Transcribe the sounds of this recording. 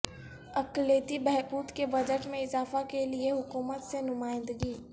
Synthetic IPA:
ɐkleːt̪ibɛɦkuːt̪kebɐd͡ʒəʈmẽɪzaːfakelieɦʊkuːmət̪senʊmaːɪ̃nd̪əɡiː

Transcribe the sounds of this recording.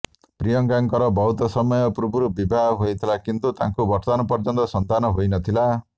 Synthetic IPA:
pɾijʌŋkaŋkɔɾɔbɔɦut̪ɔsɔmɔjɔpɾubuɾubibʱaɦɦojt̪ʰilakint̪ut̪ã̰ŋkubɔʈt̪anɔpɔɾd͡ʒɔnt̪ɔsɔnt̪anɔɦojnʌt̪ʰila

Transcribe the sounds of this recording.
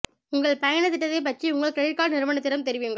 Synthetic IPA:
ʊŋɡɐɭpɐjɐnɐt̪ːɪʈːɐðeːp̬ɐʈriʊŋɡɐɭkːɐɻɪkːaːɭnɪɾɯʋɐnɐt̪ːɪɾɐmt̪ɛɾɪʋɪjɯŋɡɐ

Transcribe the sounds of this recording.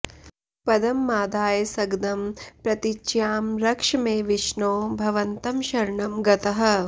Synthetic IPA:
pɐd̪ɐmːaːd̪aːjɐsɐɡd̪ɐmpɾɐt̪it͡ʃjaːmɾɐkʂɐmeːʋiʃɳoːbʱɐʋɐnt̪ɐmʃɐɾɳɐmɡɐt̪ɐɦɐ̆

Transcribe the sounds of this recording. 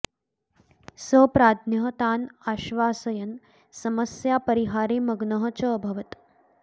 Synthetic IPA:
səpɾaːd̪ʱnjɐɦət̪aːnaːʃʋaːsəjɐn | sɐməsjapɐɾiɦaːɾeːməɡnəɦət͡ʃəːbʱɐʋət̪

